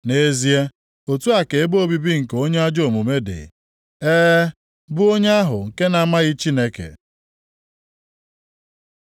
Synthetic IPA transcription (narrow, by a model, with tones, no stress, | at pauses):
ne˦zi˦e˦ | o˨tu˦a˨ke˨e˦bo˦bi˦bi˦ŋ̩˨ko˦ɲe˦a˦d͡ʒo˨mu˨me˦dḛ˨ | eː˦ | bʊ˦o˦ɲe˦a˦ɦʊ˨ŋ̩˨ke˦na˦ma˦ɣi˦t͡ʃi˦ne˦kḛ˨